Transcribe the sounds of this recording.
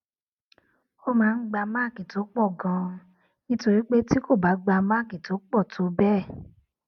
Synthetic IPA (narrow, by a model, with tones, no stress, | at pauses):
o˦mãː˨˦˧n̩˦ɡ͡ba˧ma˦˨ki˨to˨˦k͡pɔ˦˨ɡã˧ | nĩ˦to˧ɾi˦k͡pe˦ti˦ko˦˨ba˨˦ɡ͡ba˧ma˦˨ki˨to˨˦k͡pɔ˦˨tʰo˨˦bɛ˦˨